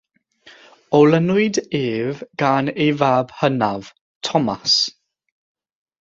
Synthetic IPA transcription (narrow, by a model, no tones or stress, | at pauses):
ɔlənʊɨdeːvɡ̥anejvaːb̥hənav̥ | tʰɔmas